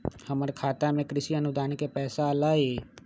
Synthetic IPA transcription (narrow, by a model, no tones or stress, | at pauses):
həməɾkʰaːt̪amẽkɾɪʃiɐnʊd̪aːnkepɛːsalaːeː